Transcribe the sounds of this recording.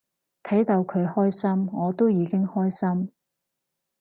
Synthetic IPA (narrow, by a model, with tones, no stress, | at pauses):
t̪ʰɐ˨˥jt̪ɐ˧wkʰɵ˨˧ɥhɔː˥jsɐ˥mŋɔː˨˧t̪o˥wjiː˨˧kɪ˥ŋhɔː˥jsɐ˥m